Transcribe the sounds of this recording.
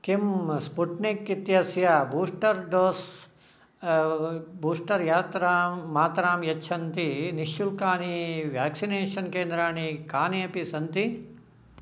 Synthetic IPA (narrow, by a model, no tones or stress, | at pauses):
kimspuʈnikit̪jasjabuːsʈɐɾɖoːs | buːsʈɐɾjaːt̪ɾaːmːaːt̪ɾaːmjɐtːʃʰɐnt̪iniʃjulkaːniʋjaːksineːʃɐnkeːnd̪ɾaːɳikaːniɐpisɐnt̪i